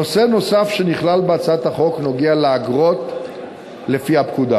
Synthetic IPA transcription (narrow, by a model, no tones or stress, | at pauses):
oseno̞safʃe̞niχlalbeat͡saat̪haχo̞kno̞ɡealeaɡʁo̞t̪ | le̞fiapkud̪a